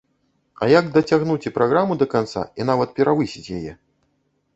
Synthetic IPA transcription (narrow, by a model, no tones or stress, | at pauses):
ɐ̰jaɡd̪ɐt͡sʲaɣnut͡sʲipɾʔaɣɾamud̪ɐkant̪sa̰in̪avɐt̪̚pʲɛɾavɨsʲit͡sʲjajɛ̰